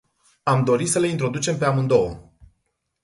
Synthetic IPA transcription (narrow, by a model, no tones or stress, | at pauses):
amd̪o̞ɾisəle̞int̪ɾo̞d̪ut͡ʃe̞mpe̞amɨnd̪o̞wə̰